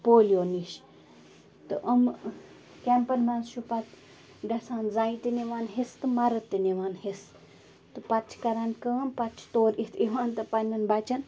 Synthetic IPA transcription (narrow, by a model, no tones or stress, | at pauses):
poːlijoːniʃ | t̪ɨʔɐm | kʲempɐnmansʃupɐt̪ | ɖɐsaːnzaːit̪iniʋaːnɦest̪ɨmɐɾɐt̪ːiniʋaːnhes | t̪ɨpɐt͡ʃʰkɐɾankɐːnpɐt͡ʃʰt̪oːɾit̪ʰiʋaːnt̪ɨpɐnʲːɐnbɐt͡ʃɐn